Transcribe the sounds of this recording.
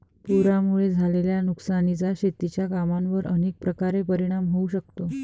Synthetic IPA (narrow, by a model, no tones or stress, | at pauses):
puɾamuɭed͡zʱaleljanuksanit͡saɕet̪ːit͡ɕjakamãnʋəɾə̰nek̚pɾəkaɾepəɾiɽ̃amɦouɕək̚t̪o